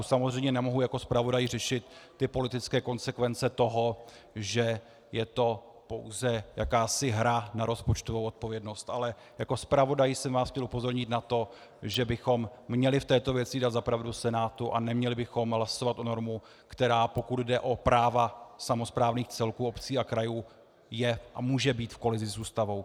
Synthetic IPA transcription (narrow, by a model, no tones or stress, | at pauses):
samozr̝ɛjmɲɛnɛmoɦujako̞spɾavo̞dajɪrɛʃɪt̪ː | ɪpo̞lɪt̪ɪt͡skɛːko̞nsɛkvɛnt͡sɛt̪o̞ɦo̞ | ʒɛ | jɛt̪o̞ | po̞wzɛjakaːsɪɦɾanaɾo̞spot͡ʃt̪ovowʔo̞t̪̚po̞vjɛdno̞st̪ʔalɛ | jako̞spɾavo̞dajɪsɛmvaːsxcɛlʔupo̞zo̞ɾɲɪt̪nat̪o̞ | ʒɛbɪxo̞mːɲɛlɪft̪ɛːt̪o̞vjɛt͡sɪdat̪zapɾavdusɛnaːt̪uʔa̰nɛmɲɛlɪbɪxo̞mɦlaso̞vat̪ʔono̞ɾmu | kt̪ɛɾaːpo̞kud̪dɛʔo̞pɾaːvasamo̞spɾaːvniːxt͡sɛlkuːo̞pt͡siːakɾajuː | jɛʔa̰muːʒɛbiːt̪fko̞lɪzɪzuːst̪avo̞w